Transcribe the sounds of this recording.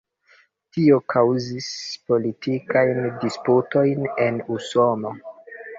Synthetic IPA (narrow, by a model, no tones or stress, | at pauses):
tio̞kʰawzispo̞litikajndisputo̞jnenuso̞no